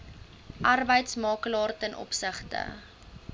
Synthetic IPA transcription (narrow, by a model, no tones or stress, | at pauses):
ʔɐrbəjtsmɑːklɑːrtənʔɔ̰psəχtə̰